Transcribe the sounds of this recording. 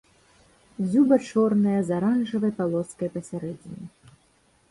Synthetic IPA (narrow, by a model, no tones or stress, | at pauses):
zʲubɐt͡ʂɔrnɐjɐzaɾanʐɐvɐjpalˠɔt̪skɐjɐpɐsʲaɾɛd͡zʲinʲi